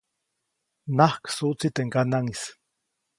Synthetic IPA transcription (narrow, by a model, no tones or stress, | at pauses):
nahksut͡sit̪eŋkanaŋis